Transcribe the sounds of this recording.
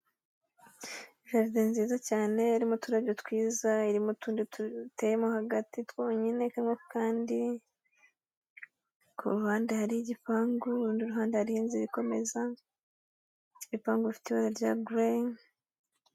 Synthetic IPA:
iʒovidenziːzacaːne̞aɾimotuɾaβjotwiːzaiɾimotuːnditute̞ːjemohaɡatitwoɲine̞kamŋekaːndi | kṵɾuhaːndehaɾijiɟipaːŋɡuɾuːndiɾuɦaːndehaɾihiːnziɾiko̞me̞za | iβipaːŋɡoifi̥teβaɾaɾɟaɡɾen

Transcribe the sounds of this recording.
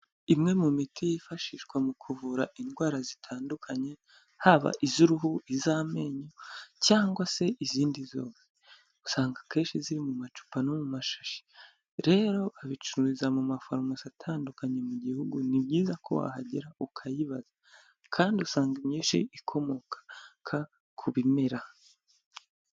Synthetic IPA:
imŋe̞mumitʰijifaʃiʃɡwamukʰuvuɾaʔinɡwaːɾazitʰaːndukʰaɲe | haβa̰ʔizuɾuhuizaːme̞ːɲocaːŋɡwase̞ʔiziːndizo̰ːβe | usaːŋɡake̞ːnʃiziɾimumat͡ʃu̥panomumaʃḁʃi̥ | ɾe̞ːɾo̞aβit͡ʃuɾuzamumafoɾmusatʰaːndukaɲe̞muɟihuɡunibɟiːzakʰo̞̰wa̰ɦaɟeɾaukʰajiβaz̥a | kʰaːndiusaːŋɡimɲiːnʃḭikʰo̞mo̞kʰḁkʰa | kʰuβime̞ɾa

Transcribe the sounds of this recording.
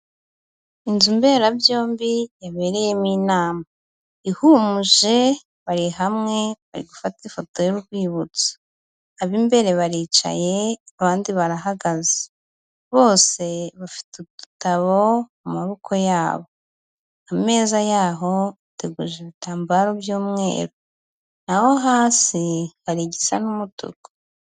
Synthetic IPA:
inzumbe̞ɾabjo̞ːmbijaβe̞ːɾe̞je̞miːnaːma | ihumuʒe̞ | βaɾihamŋe̞βaɾiɡufatifo̞to̞juɾɡwiːβut͡sḁ | aβimbe̞ɾe̞βaɾiːt͡ʃa̰je̞aβaːndiβaɾaɦaɡaze̥ | βo̞ːse̞βafi̥tututaβo̞mumaβokʰo̞jaːβo | ame̞ːzajaːɦo̞ | teɡuʒeβitaːmbaɾoβjuːmŋe̞̰ːɾo | naho̞ɦaːsihaɾiɟisa̰numutṵko̥

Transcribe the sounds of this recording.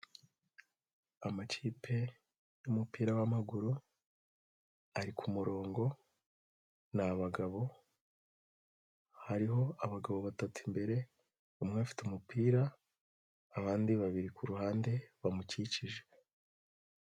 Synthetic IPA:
amaciːpʰe̞ | jumupiːɾawamaɡuɾu | aɾikʰumuɾo̞ːŋɡo̞ | naβaɡaβo̞ | haɾiɦo̞aβaɡaβo̞βatatʰumbe̞ɾe̞ | umŋeafi̥tumupʰiːɾaː | βaːndiβaβiɾikuɾuhaːnde̞βamuciciʒe̞

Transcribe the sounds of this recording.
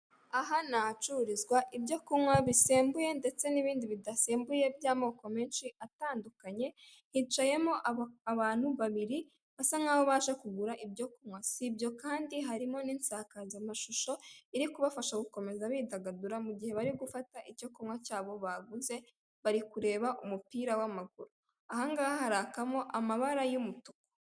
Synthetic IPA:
aɦanat͡ʃuɾizɡwaʔibɟokomwaβiseːmbuje̞nde̞t͡se̞niβiːndiβidaseːmbujebjaːmo̞ːko̞meːnʃiataːndukaɲe̞ | hit͡ʃaje̞mo̞ʔaβaːn̥huβaβiɾi | βasaŋaβo̞βaːʃakuɡuɾaʔibɟokomwasibɟo̞kaːndiɦaɾimo̞niːnsaːkazamaʃuʃo̞iɾikuβafaʃaɡuko̞me̞zaβiːdaɡaduɾamuɟihe̞βaɾiɡufataʔico̞komwacaːβo̞βaɡuze̞ | βaɾikuɾe̞ːβaʔumupiːɾawamaɡuɾu | ahaŋɡaːhahaɾaːkamo̞ʔamaβaɾajumutuko̥

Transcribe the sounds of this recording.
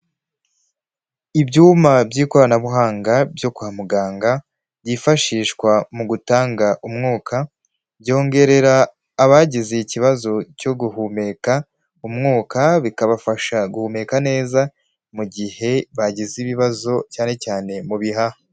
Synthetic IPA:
ibjuːmabjiːko̞ɾanaβuɦaːŋɡabjo̞kuhamuɡaːŋɡa | bjifaʃiːʃkwamuɡutaːŋɡaʔumŋuːkʰa | bjo̞ːŋɡe̞ɾe̞ɾaː | βaɟizeciβazo̞coɡuhume̞ka | umŋuːkaβikaβafaʃaɡuhume̞kane̞ːza | muɟihe̞βaɟiziβiβazo̞caːne̞caːne̞muβiɦa

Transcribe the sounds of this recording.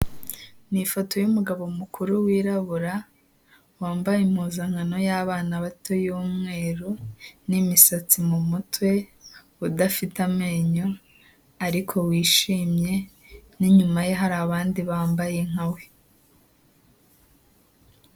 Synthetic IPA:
nifo̞to̞jumuɡaβo̞mukʰuɾuwiːɾaβuɾa | waːmbajim̥huːzaŋano̞jaːβaːnaβatʰo̞juːmŋe̞ːɾunimisat͡simumutwe̞ | udafitame̞ɲo | aɾikʰo̞wiːʃiːmje̞ | niɲumajeɦaɾaːβaːndiβaːmbajeŋ̥hawe̞

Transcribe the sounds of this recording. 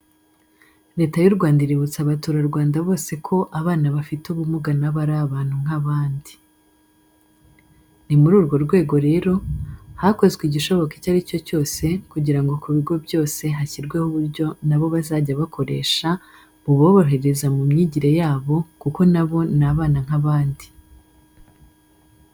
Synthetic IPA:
ɾe̞ːtajuɾɡwaːndiɾiβut͡saβatuːɾaɾɡwaːndaβo̞ːse̞kʰo̞ʔaβaːnaβafituβumuɡanaβaɾaβaːn̥huŋ̥haβaːndi | nimuɾuːɾɡo̞ɾɡwe̞ːɡo̞ɾe̞ːɾo̞hakozkwiɟiʃo̞βo̞kecaɾico̞co̞ːse̞kuɟiɾaŋɡo̞kuβiɡo̞bjo̞ːse̞ɦaciɾɡwe̞huβuɾɟo̞naβo̞βazaːɟaβakʰo̞ɾe̞̰ːʃa | βuβo̞ːβo̞ɦe̞ɾe̞zamumɲiːɟiɾe̞jaːβo̞kuko̞naβo̞naβaːnaŋ̥haβaːndi

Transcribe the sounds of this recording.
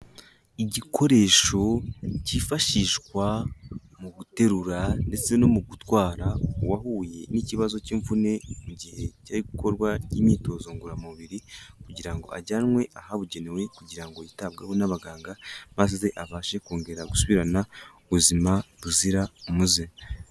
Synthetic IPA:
iɟikʰo̞ɾe̞ʃo̞cifaʃiːʃkwa | muɡute̞ɾuɾande̞t͡se̞no̞muɡutwaːɾauwahuːje̞̰niciβazo̞ciːɱvune̞muɟihe̞caɾiɡuko̞ɾɡwajimiːto̞ːzoŋɡuɾamuβiɾikuɟiɾaŋɡo̞a̰ɟanŋwe̞ʔahaβuɟe̞newe̞kuɟiɾaŋɡo̞jitaβɡa̰wonaβaɡaːŋɡamazize̞ʔaβaːʃe̞koːŋɡe̞ɾaɡusuβiɾanauβuzimaβuziɾaumuzi

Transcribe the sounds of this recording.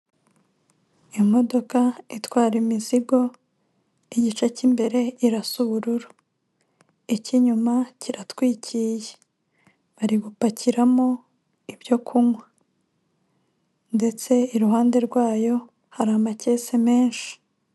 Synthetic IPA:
imo̞do̞kaitwaːɾimiziɡo̞ | iɟit͡ʃacimbe̞ɾe̞iɾasuβuɾuɾa | iciɲumaciɾatwiːcije | βaɾiβupacʰiɾamo̞ | ibjo̞kʰumwa | nde̞t͡se̞iɾuɦaːnde̞ɾɡwaːjo̞ | haɾamace̞se̞me̞ːnʃi̥

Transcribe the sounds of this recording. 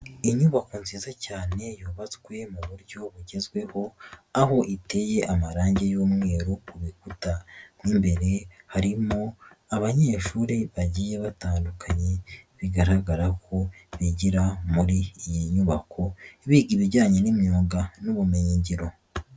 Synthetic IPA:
iɲuβako̞nziːzacaːne̞juːβat͡skwe̞muβuɾɟo̞βuɟe̞zɡwe̞ho̞aɦo̞ʔite̞je̞ʔamaɾaːɲɟe̞jomŋe̞ːɾukuβikutamwiːmbe̞ɾe̞ | haɾimo | aβaɲe̞ːʃuːɾeβaɟiːje̞βataːndukʰaɲe̞βiɡaɾaɡaɾakʰo̞βiɟiɾamuɾiːjiɲuβakʰo̞βiːɡiβiɾɟaːɲe̞nimɲoːɡanuβumeɲiːɲɟiɾo̞

